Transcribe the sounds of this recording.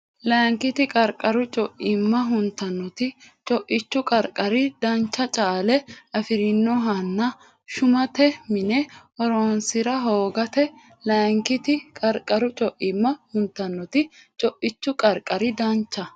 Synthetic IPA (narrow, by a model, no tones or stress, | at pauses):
lɐːŋkɪt̪ɪkʼɐɾkʼːɐɾʊt͡ʃʼɔʔɪmːɐɦʊnt̪ːɐnːɔt̪ɪt͡ʃʼɔʔɪt͡ʃːʊkʼɐɾkʼːɐɾɪd̪ɐnt͡ʃːɐt͡ʃʼaːlɛʔɐfɪɾɪnːɔɦɐnːɐ | ʃʊmɐt̪ɛmɪnɛʔɔɾoːnsɪɾɐɦoːɡɐt̪ɛ | lɐŋkɪt̪ɪkʼɐɾkʼɐɾʊt͡ʃʼɔʔɪmːɐhʊnt̪ːɐnːɔt̪ɪt͡ʃʼɔʔɪt͡ʃːʊkʼɐɾkʼːɐɾɪd̪ɐnt͡ʃːɐ